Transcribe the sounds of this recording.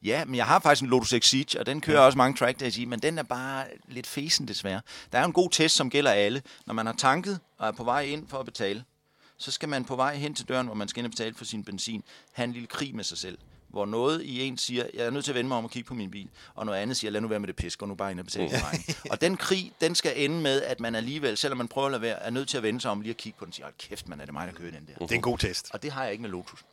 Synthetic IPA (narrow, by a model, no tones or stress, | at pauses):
jæmenjɑ̈ɪɦɑ̈fɑ̈ɡ̥isɡ̥enlodoseɡ̥si̥ɒ̽d̥enkʰøːɐɒ̽səmɑ̈ŋət͡sʰʁæɡ̥̚d̥æsiːmend̥enæɐb̥ɑ̈ːle̝d̥fe̝ːsn̩d̥e̝sʋæɐd̥ɑ̈æɐe̝nɡ̥o̝̰ːt͡sʰesd̥sɒ̽mɡ̥el̰ɐælənʔɒmænhɑ̈t͡sʰɑ̈ŋɡ̥ð̞̩ˠ | ɒ̽æɐpʰɒ̽ʋɑ̈ɪ̰e̝n̰fɒ̽æb̥e̝t͡sʰɛ̰ːlə | sɒ̽sɡ̥æmænpʰɒ̽ʋɑ̈ɪ̰ɦen̰t͡sʰe̝ld̥ɶ̰ɐ̰nʋɒmænsɡ̥æe̝nɒb̥e̝t͡sʰɛ̰ːləfʰɒ̽sinb̥ensḭːnhæe̝nliləkʰʁḭːmesɑ̈ɪsel̰ʋɒnɔ̽ːð̞̩ˠie̝̰ːnsiːɐjɑ̈ɪæɐnøð̰ˠt͡se̝ɐʋenəmɑɪɒmɒkʰiɡ̥pʰɒ̽minb̥ḭːlʔɒ̽nɔ̽ð̩ˠænð̞̩ˠsiːɐlænuʋæːɐmed̥e̝pʰesɡ̥ɒnub̥ɑ̈ːe̝nɐb̥̝t͡sʰɛ̰ːlɑ̈ɪnɒ̽d̥enkʰʁḭːd̥ensɡ̥æʔenəmeð̞ˠæd̥mænæliːʋel̰sel̰ɒmːænpʰʁœʊɐlæʋḛɐæɐnøð̰ˠt͡sʰe̝æɐʋenəsɑ̈ɪɒ̽mliːækʰiɡ̥əpʰɒ̥en̩siːɐɒ̥kʰefd̥mænæɐ̥emɑ̈ɪ̥ɐkʰøːɐd̥end̥eɐd̥e̝nɡo̝̰ːt͡sʰesd̥ɒ̽d̥e̝ɦɑ̈jɑ̈e̝ɡ̥melo̝t͡sʰus